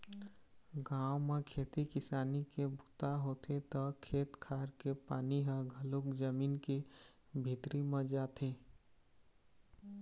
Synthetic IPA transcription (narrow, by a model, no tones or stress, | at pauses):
ɡaːwmekʰeːt̪ikɪsaːnikebʱut̪aɦot̪ʰet̪ɔkʰeːt̪kʰaɾkepaːniɦəɡʱəlokd͡ʒəmiːnke | bʱit̪ɾimed͡ʒaːt̪ʰe